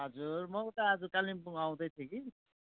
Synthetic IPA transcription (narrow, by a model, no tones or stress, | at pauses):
ɦʌd͡zurmʌt̪aɦʌd͡zukalimpuŋaw̃d̪ʌjt̪ʰjeki